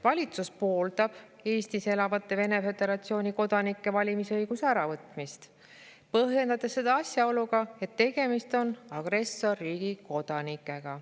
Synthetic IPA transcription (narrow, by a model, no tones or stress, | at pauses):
vɑlʲit̪suspo̞ːld̪̥ɑb̥e̞ːst̪ise̞lɑvɑt̪ːˑe̞ve̞ne̞fe̞d̪̥e̞ɾɑt̪sio̞ːnʲiko̞d̪ɑnikˑːe̞vɑlʲimisɤjɡ̥useæɾɑvɤt̪ˑmist̪ | pɤɦje̞nd̪ɑt̪esːe̞d̪ɑɑsʲjɑo̞luɡ̥ɑe̞t̪ːe̞ɡ̥e̞mist̪o̞nɑɡ̥ɾe̞sːo̞rːiːɡ̥iko̞d̪̥ɑnikːˑe̞ɡ̥ɑ